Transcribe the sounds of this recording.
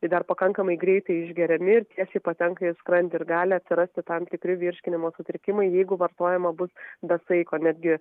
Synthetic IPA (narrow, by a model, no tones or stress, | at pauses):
ɪd̪ɐrpɐkɐŋkɐmɐɪɡɾʲɛɪt̪ɐɪɪʒʲɡʲɛɾʲɛmʲɪɪɾt̪ʲiɛsʲɛːpɐt̪ʲɛŋkɐɪskɾɐnʲt̪ʲɪɪɾɡɑːlʲɪɐt̪ʲsʲɪɾɐsʲt̪ʲɪt̪ɐmt̪ʲɪkɾʲɪʋʲɪɾʲʃʲkʲɪnʲɪmoːsʊt̪ʲɾʲɪkʲɪmɐɪjɛɪɡʊʋɐrt̪oːjɛmɐbʊsbʲɛsɐɪkoːnʲæd̪ʲɡʲɪ